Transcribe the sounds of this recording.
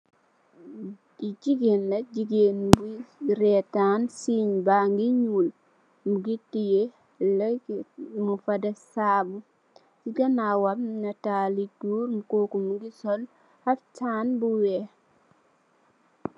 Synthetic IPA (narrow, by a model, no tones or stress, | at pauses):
id͡ʒiɡenlɐd͡ʒiɡenbuɾɛtansiɲbaŋɡiɲul | muɡitije | lɐ | mufɐdɐsabu | siɡɐnawamnɐtaliɡuːɾmukokumuŋɡisɔl | haftanbuwɛ